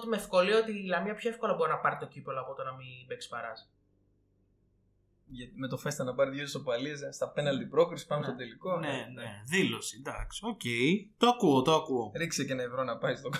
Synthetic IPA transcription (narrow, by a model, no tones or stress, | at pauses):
t̪imefko̞liot̪ilɐmiɐpçoefko̞lɐbo̞ɾinɐpɐɾit̪o̞cipeloɐpot̪onɐmibe̞ksi̥pɐɾɐs | ʝɐt̪ime̞t̪o̞fe̞st̪ɐnɐpɐɾiðʝosopɐliɐs̬st̪ɐpe̞nɐld̪ipɾo̞kɾisi̥pɐnost̪d̪e̞liko̞neneðilosid̪ɐksocejt̪oɐkuot̪oɐkuoɾiksecenɐevɾo̞nɐpɐist̪ok